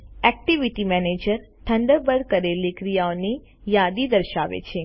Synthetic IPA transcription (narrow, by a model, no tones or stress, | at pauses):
ɛk̚ʈiʋiʈimɛned͡ʒəɾ | ʈ̪ʰəɳɖəɾbəɾkəɾelikɾijaoni | jad̪id̪əɾʃaʋḛt͡ʃʰe